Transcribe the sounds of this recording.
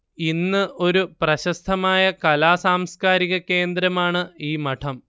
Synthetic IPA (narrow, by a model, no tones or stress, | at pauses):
inːɨʔo̞ɾuprɐɕɐst̪ʰɐmaːjɐkɐlaːsaːmskaːɾiɣɐke̞ːnd̪ɾɐmaːɳɨiːmɐʈʰɐm